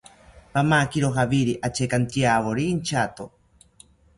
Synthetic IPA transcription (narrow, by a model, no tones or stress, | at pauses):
pamakiɾoxaβiɾiʔat͡ʃekant̪ijaβoɾiːnt͡ʃat̪o